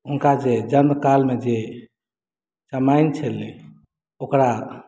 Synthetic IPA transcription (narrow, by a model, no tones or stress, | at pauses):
ɦunkad͡ʒed͡ʒənməkalmed͡ʒe | t͡ʃəmajnt͡ʃʰəle | okɾa